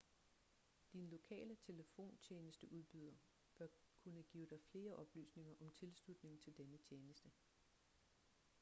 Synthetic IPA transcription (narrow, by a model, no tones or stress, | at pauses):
d̥inlo̝kʰɛ̰ːlət͡sʰe̝ləfo̝̰ːnt͡ɕʰeːnəsd̥əʔuð̞ˠb̥yð̞̰ˠɐ | b̥ɶɐ | kʰunəɡ̥ḭːʊd̥ɑ̈ɪfle̝ːɐʔɒ̽b̥ly̰ːsne̝ŋɐʔɒ̽mt͡sʰe̝lslud̥ne̝ŋ̩t͡sʰe̝ld̥enət͡ɕʰjeːnəsd̥ə